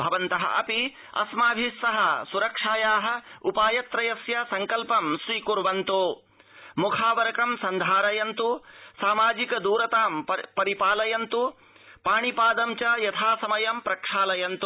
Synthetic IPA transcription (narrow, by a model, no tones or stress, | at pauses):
bʱɐʋɐnt̪ɐɦɐ̰ʔɐ̰pi | ɐ̰smaːbʱisːɐɦɐsuɾɐkʂaːjaːɦɐ̆upaːjɐt̪ɾɐjɐsjɐsɐŋkɐlpɐmsɾiːkuɾʋɐnt̪oː | mukʰaːʋɐɾɐkɐmsɐnd̪ʱaːɾɐjɐnt̪usaːmaːd͡ʒikɐd̪uːɾɐt̪aːmpɐɾipaːlɐjɐnt̪u | paːɳipaːd̪ɐmt͡ʃɐjɐt̪ʰaːsɐmɐjɐmpɾɐkʂaːlɐjɐnt̪u